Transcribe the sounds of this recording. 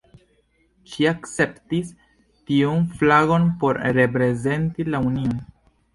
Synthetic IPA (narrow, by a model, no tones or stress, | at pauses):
ʃiakt͡se̞ptis | tiunflaɡo̞npo̞ɾɾe̞pɾe̞ze̞ntilaunion